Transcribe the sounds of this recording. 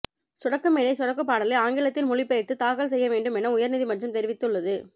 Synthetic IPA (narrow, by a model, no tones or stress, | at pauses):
sʊɽɐkːɐmeːlɐɪsʊɽɐkːɯp̬ːaːɽɐlɐɪaːŋɡɪɭɐt̪ːɪnmʊɻɪpːɐɪʈ̪ːɯt̪aːkɐɭsɛjːɐʋeːɳɖɯmɛnɐʊjɐɾnɪðimɐnrɐmt̪ɛɾɪʋɪt̪ːɯɭːɐðɯ